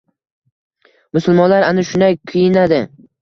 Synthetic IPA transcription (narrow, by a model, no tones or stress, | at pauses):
mʊsʊlˠmɒnlaɾanɪʃʊnajkʰijɪnad̪ɪ